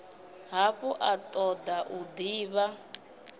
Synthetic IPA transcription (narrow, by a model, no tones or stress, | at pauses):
ɦaɸɔʔat̪ʼɔd̪aʔud̪iːβa